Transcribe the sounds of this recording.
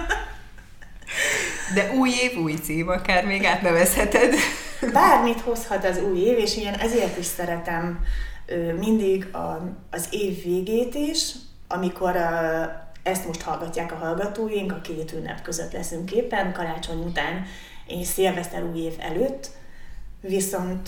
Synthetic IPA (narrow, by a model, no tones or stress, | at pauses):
d̪ɛʔuːjeːvuːjt̪siːvɒkaːrmeːɡaːt̪nɛvɛshɛt̪ɛd̪baːrmit̪ho̞shɒt̪ɒzuːjeːveːʃinʔɛzeːrt̪iʃsɛɾɛt̪ɛmøːind̪iɡɒː | zeːvːeːɡeːt̪iːʃ | ʔɒmiko̞ɾ | ɛst̪moʃt̪hɒlɡɒcːaːkɒɦɒlɡɒt̪oːjiŋkɒkeːt̪yːnɛ̰pkø̞zøt̪lɛsyŋkeːpːɛnkɒɾaːt͡ʃo̞ɲut̪aːn | eːnseːlvɛst̪ɛ̰luːjeːvɛ̰løːt̪ː | ʋiso̞nt̪